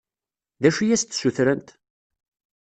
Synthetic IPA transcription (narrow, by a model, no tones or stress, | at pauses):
ðæʃijæst̪ːsuθɾənt̪